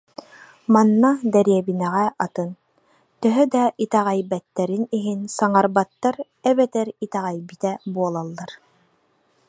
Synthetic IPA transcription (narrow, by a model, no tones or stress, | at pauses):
manːad̪ɛɾiɛbinɛʁɛat̪ɯn | t̪œɦœd̪ait̪ɛʁɛjbɛt̪ːɛɾiniɦinsaŋaɾbat̪ːaɾ | ɛbɛt̪ɛɾit̪ɛʁɛjbit̪ɛbuɔlˠalˠːaɾ